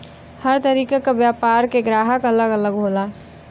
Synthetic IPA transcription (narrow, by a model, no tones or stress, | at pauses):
həɾt̪əɾiːkekabjaːpaːɾkeɡɾaːɦəkɐləɡələɡɦoːlaː